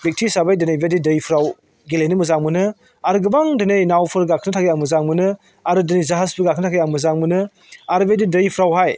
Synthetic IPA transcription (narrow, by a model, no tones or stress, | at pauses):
bik̚tʰisabajdɯnajbedidɯjpʰɾaw | ɡilejnɯmuzaŋmunɯ | aɾɡɯbaŋdɯnɯjnawpʰɯɾɡakʰnɯtʰaɡejaŋmuzaŋmɯnɯ | aɾɯdɯnɯjzaɦazpʰɯɾɡakʰnɯtʰakejaŋmuzaŋmunɯ | aɾbedidɯjpʰɾawɦaj